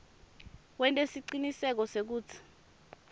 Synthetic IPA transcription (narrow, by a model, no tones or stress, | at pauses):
wɛntʼesiǀinisɛk̬ɔsek̬uːt͡sʰi̥